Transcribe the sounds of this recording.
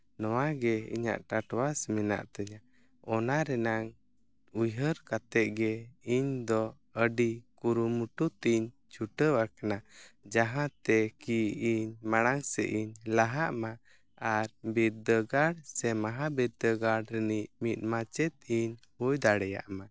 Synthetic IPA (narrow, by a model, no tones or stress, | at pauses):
nɔwaɡɛḭɲa̰ʔʈaʈwasmina̰ʔt̪əɲa | ɔnaɾɛnaŋ | ujɦəɾkat̪ɛʔ̪̚ɡɛiɲd̪ɔ | əɖikuɾumuʈut̪iɲ | t͡ʃʰuʈəwakanad͡ʒaɦãt̪ɛkiiɲmaɽ̃aŋsɛ̰ʔiɲlaɦaʔma | aɾbiɾd̪əɡaɽsɛmaɦabiɾd̪əɡaɽɾɛniʔmit̪̚mat͡ʃɛt̪̚iɲhujd̪aɽɛja̰ʔma